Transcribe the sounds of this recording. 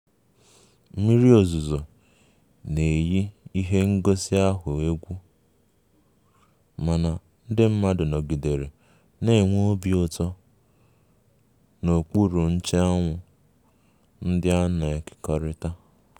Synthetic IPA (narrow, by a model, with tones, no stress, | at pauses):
m̩˦mi˦ɾi˦o˨zu˨zo˨ | ne˨ji˦i˦ɦe˦ŋ̩˦ɡo˦si˦a˦ɦʊ˨e˦ɡʷu˦ | ma˨na˨ | n̩˦dɪ˦m̩˦ma˦dʊ˨nɔ˨ɡi˨de˨ɾe˨ | ne˨ŋʷo˦bi˦o˨tɔ˦ | no˨k͡pu˦ɾu˨n̩˦t͡ʃe˦a˦ŋʷʊ˨ | n̩˦dɪ˦a˦na˨e˨kɪ̥˨kɔ˦ɾɪ˦ta˦